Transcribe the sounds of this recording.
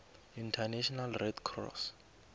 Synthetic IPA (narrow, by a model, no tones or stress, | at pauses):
intʰanɛʃɔnalrɛdkʰrɔ̰s